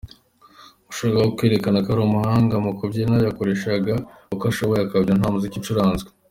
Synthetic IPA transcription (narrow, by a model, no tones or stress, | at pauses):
uʃoɾaɡawokwe̞ːɾe̞kanakaɾomuhaːŋɡamukobɟenajakoɾe̞ʃaɡa | ukaʃaβajakabɟanɦaːmuzicit͡ʃuɾaːnzɡwe